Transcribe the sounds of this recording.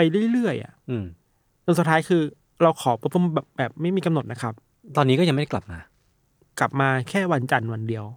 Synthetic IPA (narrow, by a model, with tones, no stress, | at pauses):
a˧jɾjɾɯ˥˩əjʔa̰˨˩ʔʔɯː˧˩ | so˧nsu˨˩t̪ʰːaː˦˥jkʰɯː˧ | ɾa˧wkʰɔː˩˦paː˧˦p̪u˧mbɛː˨˩p̚bɛː˨˩p̚ma˥˩jmiː˧ka˧mno˨˩t̪̚na˦˥kʰa˦˥p̚ | t̪ɔː˧niː˦˥kɔː˥˩a˧ŋm˥˩a˥˩kla˨˩p̚maː˧ | kla˨˩p̚maː˧kʰɛː˥˩wa˧nt͡ɕa˧nwa˧ndi˧əw